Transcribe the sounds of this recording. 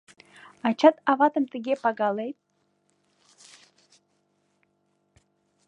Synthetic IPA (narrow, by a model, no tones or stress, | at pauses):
ɑt͡ɕat̪ɑvɑt̪əmt̪əɡʲepɑɡɑlejt̪̚